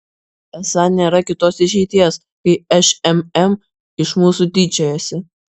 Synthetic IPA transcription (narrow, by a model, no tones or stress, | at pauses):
ɛsɐnʲeːɾɐkʲɪt̪oːsɪʃ̬ʲɛɪt̪ʲiɛs | kɐɪɛʃɛmɛm | ɪʃmuːsud̪ʲɪd͡ʒʲɛjoːsʲɪ